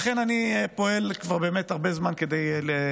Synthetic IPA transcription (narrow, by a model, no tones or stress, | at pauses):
aχenanipo̞e̞lkvaʁbe̞ːme̞taʁbe̞zmanke̞deje